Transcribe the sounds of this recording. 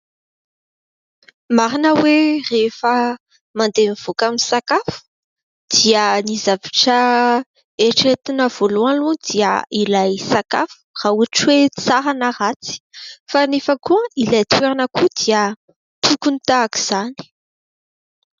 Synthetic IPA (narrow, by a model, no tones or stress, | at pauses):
maɾinəwerefə | mand̪eniv̥okamisakafu̥ | d̪̥iənizavaʈ͡ʂə | eʈ͡ʂet̪inəv̥olualud̪iə̰ilajsaka̰fu̥rauʈ͡ʂwet͡saɾanərat͡si̥fanefəkuəilajt̪ʰweɾanəkud̪iə | t̪ukunit̪aːki̥z̥ani̥